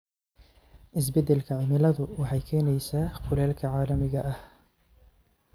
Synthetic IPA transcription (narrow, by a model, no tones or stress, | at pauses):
ʔɪs̬bɪd̪ɪlkʰaʕmɪlɐðʊwɑħɑjkʰɛːnɛjsɐqʊlɛːlkʰɐʕɑːlɐmɪɣɐʔɐh